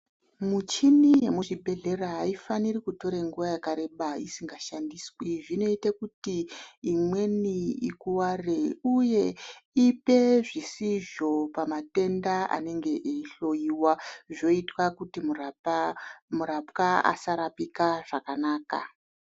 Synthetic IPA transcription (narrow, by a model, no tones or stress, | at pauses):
mut͡ʃinije̞muʐibʱe̞ɮe̞raɦaifanirikuto̞ɾeŋɡuʋajakaɾe̞ɓaisiŋɡaʃandiswiʐino̞itakutiːmwe̞niikuwareuje̞ipe̞ʐisiʒo̞pamate̞ndaʔa̰ne̞ŋɡe̞ʔeiɬo̞iwaʐo̞itwakutim | muɾapkaa̰saɾapikaʐakanaːka̰